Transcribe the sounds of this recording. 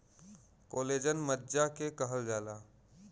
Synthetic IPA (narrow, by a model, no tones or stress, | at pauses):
koːleːd͡ʒənmədd͡ʒakekəɦəld͡ʒaːlaː